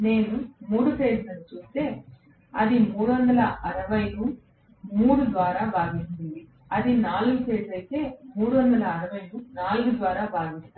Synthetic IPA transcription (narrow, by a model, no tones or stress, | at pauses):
ne̞ːnumuːɽupeːd͡ʒlɐnit͡ʃuːst̪e̞ː | ɐd̪imuːɽuʋɐnd̪ɐlɐɐɾɐʋɐjlu | muːɽud̪ʋaːɾaːbaːɡint͡ʃ̪und̪i | ɐd̪inaːluɡupeːɐjt̪e̞ːmuːɽuʋɐnd̪ɐlɐːɾɐʋɐjlunaːluɡud̪ʋaːɾaːbaːɡist̪aː